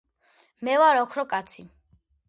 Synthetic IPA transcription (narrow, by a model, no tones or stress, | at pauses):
mɛwaɾɔkʰɾɔkʼat̪sʰi